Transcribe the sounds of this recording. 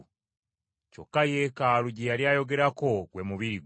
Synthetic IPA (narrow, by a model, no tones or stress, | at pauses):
co̞̰kːajeːkaːluɟejaljaːjo̞ɡe̞ɾako̞ɡwe̞muβiɾiɡ